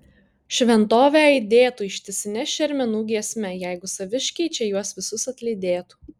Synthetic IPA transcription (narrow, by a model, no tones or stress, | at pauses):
ʃʲʋʲɛnt̪oːʋʲɛɐɪd̪ʲeːt̪uːɪʃʲt̪ʲɪsʲɪnʲɛʃʲɛɾʲmʲɛnuːɡʲiɛsʲmʲɛjɛɪɡʊsɐʋʲɪʃʲkʲɛɪt͡ʃʲɛjuɔsʋʲɪsʊsɐt̪ʲlʲɛɪd̪ʲeːt̪uː